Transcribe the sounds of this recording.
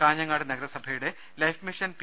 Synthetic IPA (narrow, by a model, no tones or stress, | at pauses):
kaːɲːɐŋːaːɽɨnɐɡɐɾɐsɐbʱɐjuɽe̞ | lɐjfmiʂɐnp